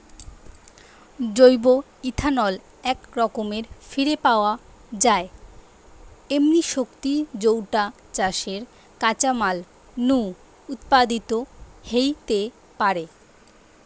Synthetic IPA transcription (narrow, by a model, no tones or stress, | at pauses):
d͡ʑojbo | it̪ʰanɔl | ɛkɾɔkomeɾfiɾepaoa | d͡ʑae | emniʃokt̪id͡ʑowʈa | t͡ɕaʃeɾ | kat͡ɕamal | nu | ut̪pad̪it̪ohejt̪e | paɾe